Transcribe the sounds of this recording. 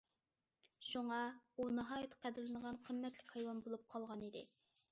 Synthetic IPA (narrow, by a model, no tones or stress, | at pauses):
ʃuŋɑunɑɦɑːjɛt̪ʰqʰæd̪ɪlɪnəʁɑnqʰəmːɛt̪lɪkʲhɑjwɑnbolˠup̚qʰɑlˠʁɑnid̪ɪ